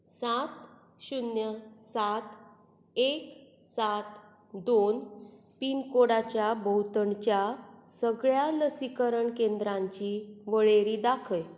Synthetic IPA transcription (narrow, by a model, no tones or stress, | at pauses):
sat̪ | ɕunjəsat̪ | ek | sat̪ | d̪on | pinkoɽat͡ɕjabʱəwt̪əɳt͡ɕjasəɡɭjaləsikəɾəɳkend̪ɾãɲt͡ɕiʋəɭeɾiːd̪akʰəj